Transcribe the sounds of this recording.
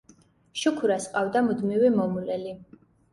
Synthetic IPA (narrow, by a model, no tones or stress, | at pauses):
ʃukʰuɾasqʼavd̪amud̪mivimɔmulɛli